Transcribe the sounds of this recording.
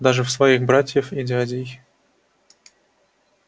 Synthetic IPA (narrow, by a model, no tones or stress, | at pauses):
d̪aʐɨfsvɐixbɾatʲjəfɪdʲɪadʲɪj